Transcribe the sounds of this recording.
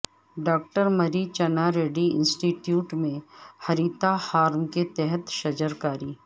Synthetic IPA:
ɖaːk̚ʈəɾmɐɾit͡ʃɐnaɾeːɖiɪ̰̃nsʈiːʈjuːʈmẽhɐɾiːt̪ahaːɾmket̪ɛɦɛt̪ʃɐd͡ʒəɾkaːɾiː

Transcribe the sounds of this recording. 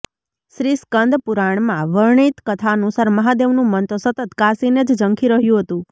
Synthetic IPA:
ʃɾiskənd̪puɾaɳ̃mãʋəɾɳit̪kət̪ʰanũsaɾməɦad̪eʋnũmənt̪osət̪ət̪kasined͡ʒd͡ʒəŋkʰiɾəɦjũɦət̪ũ

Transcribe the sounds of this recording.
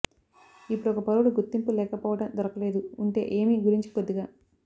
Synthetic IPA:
ipːuɽɔkɐpɐɾuɽuɡuɾt̪ːimpulɛːkɐpɔːʋɐʈɐmd̪ɔɾɐkɐle̞ːd̪uuɳʈe̞̰ːʔeːmiːɡuɾiɲt͡ʃi̥pod̪ːiɡaː

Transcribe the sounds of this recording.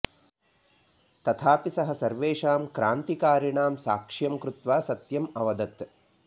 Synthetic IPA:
t̪ɐt̪ʰaːpisɐɦɐ̆sɐɾʋeːʂaːmkɾaːnt̪ikaːɾɐɳaːmsaːkʂjɐmkɾut̪ʋaːsɐt̪jɐmɐʋɐd̪ɐt̪

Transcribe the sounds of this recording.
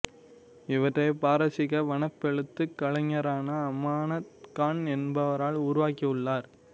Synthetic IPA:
ɪʋɐʈrɐɪpaːɾɐsɪɣɐʋɐɳɐpːɛɻɯt̪ːɯkːɐɭɐɲːɐɾaːnɐːmaːnɐt̪kaːɳɛnbɐʋɐɾaːɭʊːɾʊʋaːkːiɯɭːaːɾ

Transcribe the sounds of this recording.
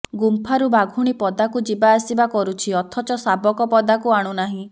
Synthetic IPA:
ɡumpʰaɾubaɡʱuɽ̃ipɔd̪akud͡ʒibaːsibakɔɾut͡ʃʰiɔt̪ʰɔt͡ʃɔsabɔkɔpɔd̪akuaɽ̃unaɦĩ

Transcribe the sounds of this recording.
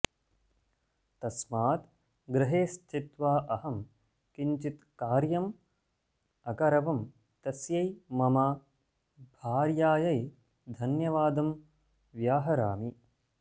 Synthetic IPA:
t̪ɐsmaːt̪ | ɡɾɪɦeːst͡ʃit̪ʋaːʔɐhɐm | kiɲt͡ʃit̪kaːɾjɐm | ɐkɐɾɐʋɐm | t̪ɐsjɐjmɐmaː | bʱaːɾjaːjɐj | d̪ʱɐnjɐʋaːd̪ɐm | ʋjaːɦɐɾa̰ːmi

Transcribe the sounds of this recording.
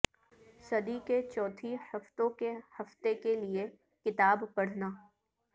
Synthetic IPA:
sɐd̪iket͡ʃɔːt̪ʰihɐft̪õkehɐft̪ekelie | kɪt̪aːbpɐɽ̤naː

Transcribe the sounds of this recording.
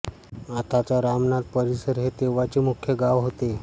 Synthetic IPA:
at̪at͡ɕaɾamnat̪̚pəɾisəɾɦet̪eʋat͡ɕemukʰjəɡaʋɦot̪e

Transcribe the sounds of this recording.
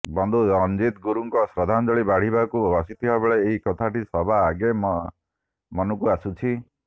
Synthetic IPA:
bɔnd̪ʱuɔnd͡ʒit̪ɡuɾuŋkɔsɾɔd̪ʱanɔd͡ʒɔɭibaɽ̤ibakubɔsit̪ʰibabeɭeːɦikɔt̪ʰaʈisɔbʱaːɡem | mɔnukuasut͡ʃʰi

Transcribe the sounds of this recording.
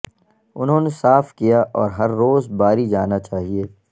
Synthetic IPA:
ʊ̰nɦõːnesaːfkijaʔɔːɾɦɐɾːoːzbaːɾid͡ʒaːnat͡ʃaːɦieː

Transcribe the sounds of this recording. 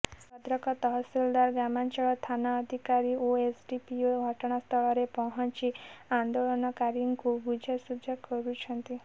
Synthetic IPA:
pɔd̪ɾɔkɔt̪ɔɦɔsild̪aɾɡamant͡ʃɔɭɔt̪ʰanaːd̪ʱikaɾiʔoesɖipioɡʱɔʈɔɽ̃ɔst̪ʰɔɭɔɾepɔɦɔnt͡ʃiand̪oɭɔnɔkaɾjuŋkubud͡ʒʱɔsud͡ʒʱɔkɔɾut͡ʃʰɔnt̪i

